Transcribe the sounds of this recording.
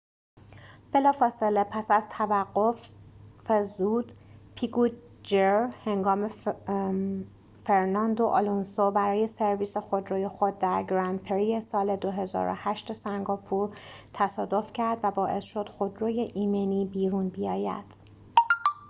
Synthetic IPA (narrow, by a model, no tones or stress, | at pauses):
b̥e̞lɒːfɒːse̞lepʰæsæzt̪ʰævæɢːof | ezuːd̪̥pʰiku | d͡ʒeɾhe̞ŋɡɒːme | feɾnɒnd̪oʔɒlunsobæɾɒːje̞se̞ɾviːse̞xo̞d̪ɾoːjexod̪̚ːæɾɡɾænd̪̚pʰeɾije̞sɒːle̞d̪o̞ɦe̞zɒ̰ɾo̰hæʃt̪esæŋɡɒːpʰuɾt̪ʰæsɒːd̪o̞fcʰæɾd̪væbɒːʔe̞̰sʃo̞d̪̥xo̞d̪ɾoːje̞ʔiːmeniːbiːɾunbijɒːjæ̰d̪̥